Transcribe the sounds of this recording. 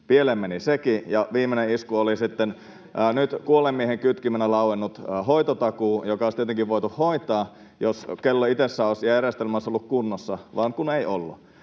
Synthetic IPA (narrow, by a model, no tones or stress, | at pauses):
pielemmenisekijɑʋiːmːeneiskuolisit̪ːenː | nyt̪kuolemːieɦeŋkyt̪kimænælɑuenːut̪ːɦoit̪ot̪ɑkuːjokɑost̪iet̪eŋkiʋʋo̞it̪uhhoit̪ˑɑː | joskelːoit̪esːæoisjærjest̪elmæˑsːolːukkunːosːɑʋɑːŋkuneiʔolːṵ